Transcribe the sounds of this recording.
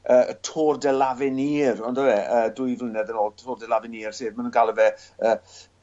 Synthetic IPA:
əːtʰoːrdɛlavɪniːrɔndəwɛəːdʊjvlˠənɛðənoːlˠtʰoːrdɛlˠavɪniːr̥seːdmanənɡalˠəvɛəː

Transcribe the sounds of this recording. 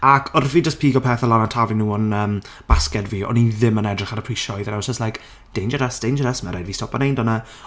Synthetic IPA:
akʰɔrviːd͡ʒəspʰiːɡɔpʰɛːθɔlanantʰavinuːɔnəːm | b̥askɛdviːɔ̰niðɪmənɛdrɪχaɾəpʰriʃɔjðənawsəslajk | d̥ejnd͡ʒəɾəsd̥ejnd͡ʒəɾəsmɛɾajdviːstɔpɔnejndɔnə

